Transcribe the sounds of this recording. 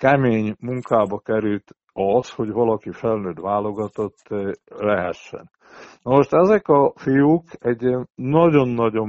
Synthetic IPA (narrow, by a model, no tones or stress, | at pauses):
kɛmeːɲmuŋkaːbɒkɛɾylt̪ | ɒshoɟʋɒlɒkifɛlnøːd̪ʋaːlo̞ɡɒt̪o̞t̪ːlɛɦɛʃːɛ̰n | nɒmoʃt̪ɛzɛkɒfijukɛɟnɒɟo̞nːɒɟo̞m